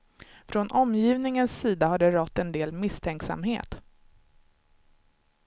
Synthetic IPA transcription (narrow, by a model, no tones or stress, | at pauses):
fɾɔnʔɔmjiːvnɪŋənsːiːd̪ahaɖɛɾɔt̪ːɛnd̪eːlmɪst̪ʰɛŋksa̰mɦeːt̪